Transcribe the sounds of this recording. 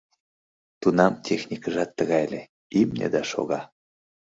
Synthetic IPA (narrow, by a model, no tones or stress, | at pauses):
t̪unɑmt̪ʲʰexnʲikəʒɑt̪ːəɣɑjle | imnʲḛd̪ɑʃo̰ɣɑ